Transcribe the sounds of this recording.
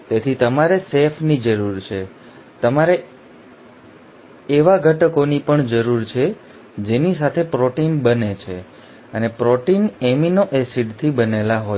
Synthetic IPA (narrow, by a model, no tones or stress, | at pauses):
t̪et̪ʰit̪əmaɾesefʰnid͡ʒəɾuɾt͡ʃʰe | t̪əmaɾe | eʋaɡʱəʈəkonipəɳd͡ʒəɾuɾt͡ʃʰe | d͡ʒenisat̪ʰepɾɔʈinbənet͡ʃʰḛ | ənepɾoʈineminoʔesiɖt̪ʰibənelaɦo